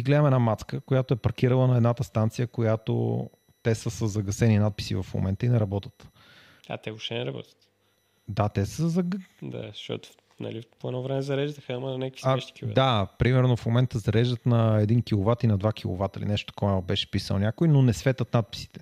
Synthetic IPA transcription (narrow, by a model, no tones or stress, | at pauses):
iɡlɛd̪əmɛnamat̪skəkojat̪oɛpɐɾk̟iɾəlˠənɐɛd̪nat̪əst̪ant̪sijəkojat̪o̰ | t̪ɛsəsəzɐɡɐsɛninat̪̚pi̥sḭvɐfmo̰mɛnt̪əinɛɾɐbɔt̪ə̥t̪ | a̰t̪ɛoʃt̪ɛnɛɾɐbɔ̰t̪ə̥t̪ | d̪at̪ɛsəzɐɡd̪a̰zʃt̪ɔ̰t̪o̥ | nɐ̰lipoɛnɔvɾɛmɛzɐɾɛʒd̪əxəəmənɐnʲaki̥aʃt̪i̥kiatd̪apɾimɛɾnofmomɛnt̪əzɐɾɛʒd̪ət̪nɐɛd̪inkʲilˠovat̪inɐd̪vak̟ʰilˠo̰vat̪əlḭnɛʃt̪kɔabɛʃɛ̥pisə̰lˠnʲakojnonɛsvɛt̪ət̪nat̪̚pi̥si̥t̪ɛ̥